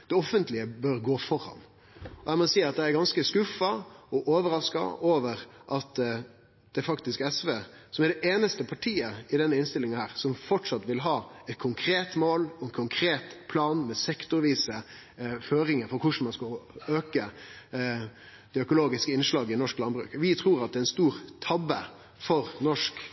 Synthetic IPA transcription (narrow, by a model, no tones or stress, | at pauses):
d̪̥ɛɔfənt̪lɪəbœɾɡoːfɔɾɑ̰n | ɔæɪmɔsiːɑt̪̚d̪ɛæɾɡɑnskəskʉfɑɔʔoːʋəɾɑskɑ̰ʔoːʋəɾʔɑt̪ | d̪̥ɛfɑkt̪ɪskɛsʋeː | sɔmæɖɛʔeːnəst̪əpʰɑʈʰiːəɪd̪ɛnːəɪnst̪ɪlɪŋɑhæːɾsɔmfɔʈʂɑt̪ʋɪlɦɑːɛt̪̚kʰʊŋkʰɾeːt̪moːlɔɛnkʰʊŋkʰɾeːt̪pʰlɑːnmɛsɛkt̪ʊɾʋiːsə | føːɾɪŋəfɔɾkʰʊʂɳ̩mɑnskɑøːkə | d̪ɛœkʊloːɡɪskəɪnʂlɑːɡɪnɔʂklɑnbɾʉ̰ːkʋɪt̪ʰɾuːɾɑt̪̚d̪ɛɛnst̪uːɾt̪ʰɑbːə | fɔɾnɔʂk